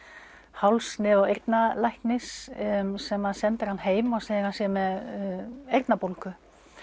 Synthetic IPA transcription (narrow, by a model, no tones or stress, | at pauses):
hawlsnɪðawejɾt̪nalajhknɪssɛmːaðsɛnt̪ɪɾ̥hanːɦeːjmɔɣsɛɪɾhansjɛmɛð | ejrt̪napolkʏ